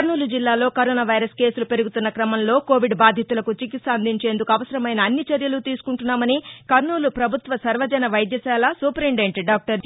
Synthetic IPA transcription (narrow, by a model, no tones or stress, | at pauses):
kɐɾnuːlud͡ʒilːaːlo̞ːkɐɾoːnaːʋɐjɾɐske̞ːsulupe̞ɾuɡut̪unːɐkɾɐmɐmlo̞ːko̞ːʋiɖbaːd̪ʱjɐt̪ulɐkut͡ʃikit̪sɐɐnd̪ʱiɲt͡ʃe̞ːnd̪ukuɐʋɐsɐɾɐmɐjnɐːnːit͡ʃɐɾjɐlut̪iːsu̥kuɳʈunːaːmɐnikɐɾnuːlupɾɐbʱut̪ʋɐsɐɾʋɐd͡ʒɐnɐʋɐjd̪jɐsaːlɐsuːpɾiɳɖeɳʈɖaːk̚ʈɐɾ